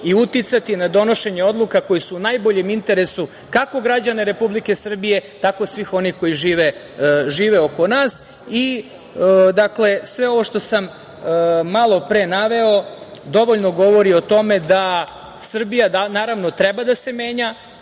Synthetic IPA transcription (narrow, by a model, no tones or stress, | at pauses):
iut̪it̪sat̪inad̪o̞no̞ʃe̞ɲe̞o̞d̪lˠukako̞jisuːnajbo̞ʎe̞mint̪e̞ɾe̞su | kako̞ɡɾad͡ʑaneɾe̞publike̞sr̩bije̞t̪ako̞sʋiːxo̞nixko̞jiʒiːʋe | ʒiːʋe̞o̞ko̞naːs | i | d̪akle̞sʋe̞o̞ʋo̞ʃt̪o̞sam | malˠo̞pɾenaʋe̞o̞d̪o̞ʋo̞ʎno̞ɡo̞ʋo̞ɾio̞t̪o̞me̞d̪a | sr̩bijad̪anaːɾaʋno̞t̪ɾebad̪ase̞me̞ːɲa